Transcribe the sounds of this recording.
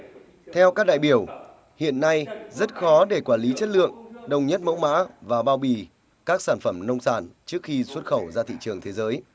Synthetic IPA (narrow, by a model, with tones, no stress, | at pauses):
t̪ʰɛ˧wkaː˦˥k̚ɗa̰ː˧˨jɓi˧˩əw | hḭ˧˨ənːa˧jzə˦˥t̚xɔ˨˦ɗe˧˩kwaː˧˩nli˨˦t͡ɕə˦˥t̚lɨ̰˧˨əŋɗə˨˩wŋ͡mɲə˦˥t̚mə̰˧˥wŋ͡mma̰ː˧˥vaː˨˩ɓaː˧wɓi˨˩ | kaː˦˥k̚saː˧˩nfə˧˩mnə˧wŋ͡msaː˧˩nt͡ɕɨ˦˥ək̚xi˧swə˦˥t̚xə˧˩wzaː˧t̪ʰḭ˧˨t͡ɕɨ˨˩əŋt̪ʰe˨˦zəː˨˦j